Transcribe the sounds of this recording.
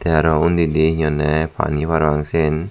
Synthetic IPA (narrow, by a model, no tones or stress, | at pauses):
t̪eaɾɔund̪id̪iɲɔnːepa̰nipaɾwaŋsen